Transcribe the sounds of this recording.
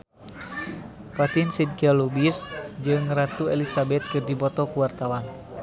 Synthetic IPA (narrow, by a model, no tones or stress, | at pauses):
pat̪insidkalubisd͡ʒɨŋrat̪uɛlisabɛt̪̚kɨrdibɔt̪ɔkuwart̪awan